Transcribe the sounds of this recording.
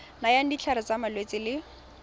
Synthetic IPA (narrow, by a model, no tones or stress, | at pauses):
najan̩dit͡ɬʰaɾɪt͡samalwet͡sʼɪlɪ